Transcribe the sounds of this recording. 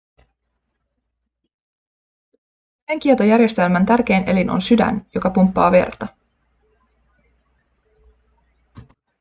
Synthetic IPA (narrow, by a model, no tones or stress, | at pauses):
seŋk̟iet̪ojærje̞st̪e̞lmænt̪ærk̟e̞ːnʔe̞linʔo̞̰nsydæ̰njo̞kɑpumpːɑ̰ːʋḛrt̪ɑ